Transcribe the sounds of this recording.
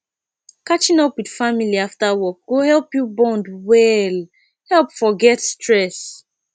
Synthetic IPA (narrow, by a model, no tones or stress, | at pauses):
kat͡ʃĩnɔpwid̥familiaftawɔk̚ɡ̥ohɛlpjubɔ̃ndwɛl | hɛlˠpfɔɡɛtstʰɹɛs